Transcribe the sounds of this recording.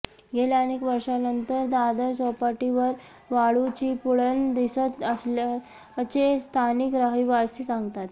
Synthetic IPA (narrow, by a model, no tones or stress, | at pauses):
ɡeljanekʋəɾʂanənt̪əɾd̪ad̪əsɔpaʈiʋəɾ | ʋaɭut͡ɕiːpuɭənd̪isət̪əsla | ət͡ɕest̪ʰanikɾaɦiʋasisaŋɡt̪at̪